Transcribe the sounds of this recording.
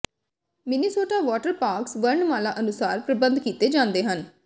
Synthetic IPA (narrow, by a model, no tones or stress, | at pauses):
mɪnisoːʈaːʋɔːʈəɾpaːɾksʋəɾɳmaːlaːʔənʊsaːɾpɾəbə̃nd̪kiːt̪eːd͡ʒãːnd̪eːɦən